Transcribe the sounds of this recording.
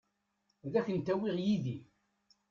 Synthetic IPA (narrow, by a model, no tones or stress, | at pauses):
ðæçənt̪æwiʁjiði